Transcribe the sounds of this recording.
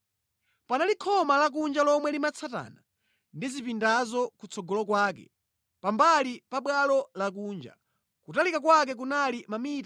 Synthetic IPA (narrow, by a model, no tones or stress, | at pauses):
panalikʰɔmalak̬und͡ʒalɔmwɛlimat͡sʰata̰ːna | ndizipindazɔkut͡sʰɔɡɔlɔkwaːk̬ɛ̰ | pambalipaɓwalɔlak̬uːnd͡ʒa̰ | kutalikak̬wak̬ɛk̬unalimamita